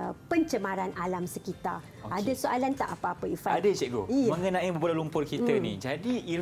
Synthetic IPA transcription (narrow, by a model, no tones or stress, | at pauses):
əpəɲt͡ʃəmãɾanalamsəkit̪a̰ | adasoʔalant̪a̰ʔapaapaifaadət͡ʃɛʔɡoijaməŋənãibəbolalumpʊrkit̪ənḭ̃d͡ʒadii